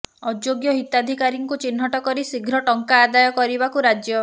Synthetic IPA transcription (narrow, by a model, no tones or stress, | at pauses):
ɔd͡ʒjoɡjɔɦit̪ad̪ʱikaɾiŋkut͡ʃinɦɔʈɔkɔɾisiɡʱɾɔʈɔŋkaːd̪ajɔkɔɾibakuɾad͡ʒjɔ